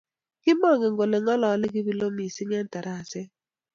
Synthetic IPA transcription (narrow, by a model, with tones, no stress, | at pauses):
kɪ˦mɔ˦˨ŋɪ˨ŋ˦ɡo˨le˨ŋɔ˦lɔː˨˦le˦k̬i˦bi˦lo˦mi˨sɪ˦ŋ˦ɛ˦n˦ta˨ɾa˦˨sɪ˦